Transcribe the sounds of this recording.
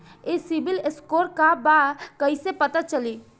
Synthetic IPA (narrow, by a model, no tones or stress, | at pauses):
esibileskoɾkabakəisepət̪at͡ʃəli